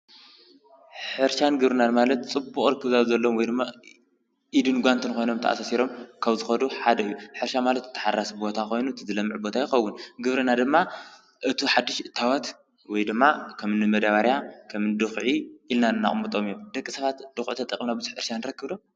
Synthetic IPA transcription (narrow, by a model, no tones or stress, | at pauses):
ħɨɾʃanɡɨβɾɨnanmalɐt̪t͡sʼɨbuχʼɾɨkːɨβzazɐlːo̞mwɔjd̪ɨmːa | ʔid̪ɨnɡʷant̪ʰɨnkʰo̞jno̞mt̪ʰɐ̰ʔa̰sasiɾo̞mkʰɐβzɨxɐd̪uħad̪ɐɨjːuħɨɾʃamalɐt̪ɨt̪ːɨ̥ħarːasbo̞t̪ʰako̞jnut̪ʰɨzɨlɐmːɨʕbo̞t̪ʰajɪxɐwːunɡɨβɾɨnad̪ɨmːa | ʔɨt̪ʰiħad̪ːɨʃɨt̪ʰːawɐt̪ | wɔjd̪ɨmːakʰɐmɨnɨmɐd̪aβaɾjakʰɐmɨnd̪ɨxʕiʔilnanɨnːa̰χʼmɨt̪ʼo̞mijomd̪̥ɐkʼːisɐβat̪d̥̪ɨxʔut̪ʰɐt̪ʼɐkʼmnabɨzɨħɨɾʃanːɨɾɐkːɨβd̪o̞m